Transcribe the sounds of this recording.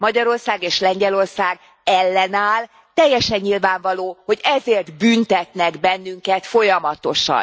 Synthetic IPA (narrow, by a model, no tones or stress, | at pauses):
mɒɟɒɾo̞rsaːɡeːʃlɛɲɟɛlo̞rsaːɡ | ɛlːɛnaːl | t̪ɛjːɛʃɛɲːilvaːɱvɒloːho̞ɟɛzeːrt̪bynt̪ɛt̪nɛɡbɛnːyŋkɛt̪fo̞jɒmɒt̪o̞ʃɒ̰n